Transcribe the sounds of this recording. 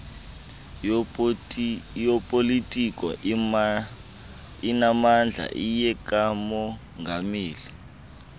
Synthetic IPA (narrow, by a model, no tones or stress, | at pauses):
jɔpʼolitʼikʼɔ̰ | inamand͡ɮʱa̰ʔijɛkʼamɔ | ŋɡʱamiːli